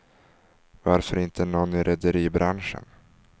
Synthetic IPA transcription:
vaɾfœɾɪnt̪ʰənɔnːɪɾʔɛd̪əɾiːbɾanʂə̰n

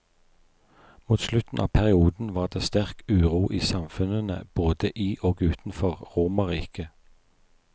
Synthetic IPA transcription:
muːt̪slʉt̪n̩ʔɑ̰ːʋpʰæʁɪuːd̪n̩ʋɑːʁd̪eːst̪æʁkʉːʁuːʔiːsɑmfʉnənə̰b̥oːd̪əʔiːʔoːɡʉːt̪n̩fɔʁʁuːmɑʁiːkə

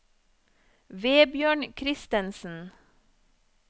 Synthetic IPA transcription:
ʋeːbjøːɳkʰɾɪst̪ənsn̩

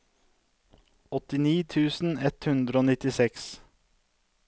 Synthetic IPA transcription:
ɔt̪ɪniːt̪ʰʉːsn̩ɛt̪hʉnd̪ɾəoːnɪt̪ɪsɛks

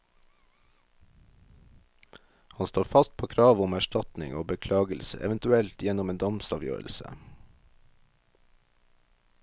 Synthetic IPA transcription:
hɑnst̪oːfɑst̪̚pʰoːkʰɾɑːʋʊmæʃʈɑt̪nɪ̰ŋoːbəkʰlɑːɡəlsə̰ʔɛʋənt̪ʉɛlt̪jɛnɔmeːnd̪ɑmsɑːʋjø̰ːɾəl̩sə̰

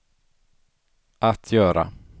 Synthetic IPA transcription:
ʔat̪ʰjœːɾa̰

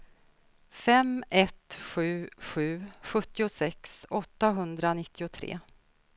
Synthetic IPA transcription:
fɛmɛt̪ɧʉ̟ːɧʉ̟ːɧɵt̪ːɪʊsɛksɔt̪ːaɦɵnd̪ɾanɪt̪ʰːɪʊt̪ʰɾḛː

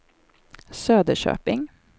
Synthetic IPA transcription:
søːd̪əʃø̰ːpɪŋ

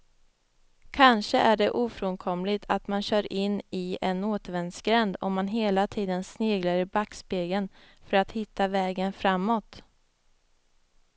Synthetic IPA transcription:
kʰanʂəʔæɖɛʔuːfɾonkʰɔmlɪt̪ʰat̪manɕœːɾɪnːɪɛnoːt̪əvɛnsɡɾɛnd̪ɔ̰mːanɦeːlat̪ʰiːd̪ənsneːɡlaɾɪbakːspeːɡən | fœɾat̪hɪt̪ːavɛːɡənfɾamːɔt̪

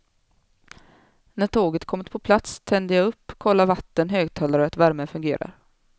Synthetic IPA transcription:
næʈʰoːɡət̪kʰɔmːɪt̪pʰɔpʰlat̪st̪ʰɛnd̪əjaɵpːkʰɔlːaɾvat̪ːənɦøːɡ̚t̪ʰɑːlaɾəat̪væɾmɛfɵŋɡeːɾa̰ɾ

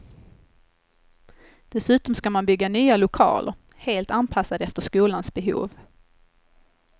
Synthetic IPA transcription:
d̪̥ɛsʉ̟ːt̪ɔmskamanbʏɡːanyːalʊkʰɑ̰ːlʔə̰ɾheːlt̪anpʰasːad̪ɛft̪əʂkuːlansbɛɦṵːv

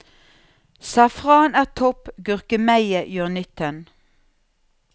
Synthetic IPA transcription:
sɑfʁɑːnæːʁt̪ʰɔpɡʉʁkəmæɪəjøːʁnʏt̪ʰən

